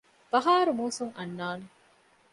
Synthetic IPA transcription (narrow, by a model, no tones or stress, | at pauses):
b̥ɐɦaːɾumuːsuŋɐnːaːne